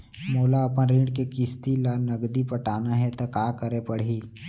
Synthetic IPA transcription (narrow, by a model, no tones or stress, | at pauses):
moːlaɐpənɾĩːɖkekɪst̪ilanɐɡd̪ipɐʈaːnaɦɛt̪okaːkəɾepɐɽ̤i